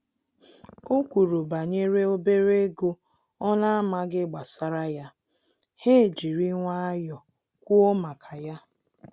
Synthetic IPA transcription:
o˦kʷu˨ɾu˨ba˨ɲe˦ɾe˦o˦be˦ɾe˦ɡo˦ | ɔ˦na˦a˦ma˦ɡɪ˦ɡ͡ba˨sa˦ɾa˦ja˦ | he˦˨d͡ʒi˨ɾi˦ŋʷa˦a˦jɔ˨ | kʷu˦o˦ma˨kʰa˨ja˦

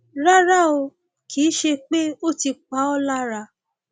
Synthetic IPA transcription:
ɾa˦ɾa˦o˧ | kʰiː˨˦ʃe˧k͡pe˦o˦ti˧k͡pa˨˦ɔ˦la˦ɾa˧

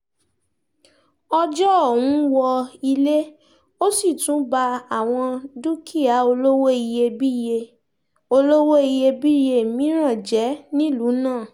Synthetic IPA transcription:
ɔ˧d͡ʒɔ˦o˦˨wũ˨˦wɔ˧i˧le˦ | o˦si˦˨tũ˨˦ba˧a˨w̃ɔ̃˧du˦kʰi˦a˨˦o˧lo˦wo˦i˧je˧bi˦je˧ | o˧lo˦wo˦i˧je˧bi˦je˧mĩ˨˦ɾ̃ã˦˨d͡ʒɛ˨˦nĩ˦lu˨˦nãː˦˨

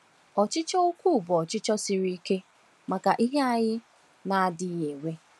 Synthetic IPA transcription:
ɔ˨t͡ʃɪ˦t͡ʃɔ˦o˦kʷu˦˨bɔ˨ɔ˨t͡ʃɪ˦t͡ʃɔ˦si˨ɾi˦ke˦ | ma˨ka˨ʔi˦ɦe˦a˨ɲɪ˦ | na˨a˨dɪ˦ɲe˨wʷe˦

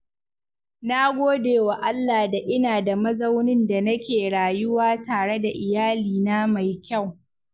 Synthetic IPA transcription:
na˦ɡʷoː˦deː˨wa˨ʔa˦lːaː˨da˨ʔɪ˦naː˨da˨mɐ˦zɐ˦wnɪ˦nda˨nɐ˦kʲeː˨ɽaː˨jʊ˦waː˦taː˨ɽe˦da˨ʔɪ˨jaː˦liː˨naː˦ma˨jkʲa˦˨w

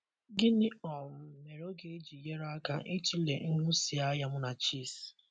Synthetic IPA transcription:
ɡɪ˦nɪ˦ɔ˨m̩˨me˨ɾo˦ɡe˦e˦d͡ʒi˨je˦ɾa˦ka˦ʔɪ˦ti˦le˨ŋ̩˦nʊ˦si˨a˦ja˨m̩˦na˨t͡ʃiː˦˨s

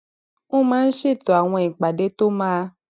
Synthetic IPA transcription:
nõ˦mãː˦n̩˦ʃe˦˨t̪ɔ˨a˨w̃ɔ̃˧i˨k͡pa˨de˦t̪o˦mãː˦

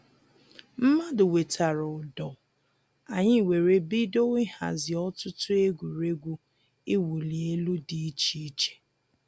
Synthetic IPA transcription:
m̩˦ma˦dɪ˨we˨tʰa˨ɾʊ˨dɔ˨ | a˨ɲɪ˦˨we˨ɾe˦bi˦do˦wɪ˦ha̰˨zɪ˨ɔ˦tʊ˦tʊ˦e˦ɡʷu˨ɾe˦ɡʷu˦ | i˦wu˨li˨e˦lu˦di˨i˦t͡ʃi˦i˦t͡ʃe̥˨

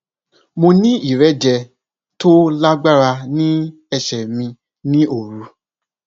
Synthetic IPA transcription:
mõ˧nĩ˦i˦˨ɾɛ˨˦d͡ʒɛ˧ | to˦la˦ɡ͡ba˦ɾa˧nĩ˦ | ɛ˧ʃɛ˨mĩ˧ | nĩ˦o˨ɾu˨˦

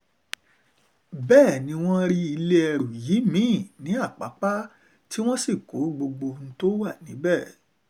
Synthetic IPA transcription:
bɛː˦˨nĩ˧w̃ɔ̃˦ɾi˦i˧le˦ɛ˧ɾu˨jiː˨˦mĩ˦˨nĩ˨˦a˦˨k͡pa̰˨˦k͡pa˦ | ti˦w̃ɔ̃˦si˦˨ko˨˦ɡ͡bo˧ɡ͡bo˧n̩˦to˦wa˦˨nĩ˨˦bɛ˦˨

